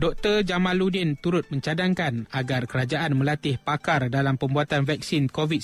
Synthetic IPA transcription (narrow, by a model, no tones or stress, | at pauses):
dɔk̚t̪ərd͡ʒamãnludɪnt̪uɾʊt̪̚mə̃ɲt͡ʃadaŋkanaɡarkəɾad͡ʒaʔanmə̃lat̪ɪhpakardalampəmbuat̪anvɛk̚sinkovit̪̚